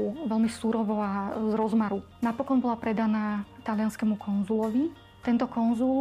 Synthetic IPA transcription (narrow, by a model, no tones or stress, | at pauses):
ʋɛlmisuɾɔʋɔazɾɔzmaɾunapɔkɔnbɔlapɾɛd̪anaːt̪alɪanskɛmukʰɔnzulɔʋi | t̪ɛnt̪ɔkɔnzul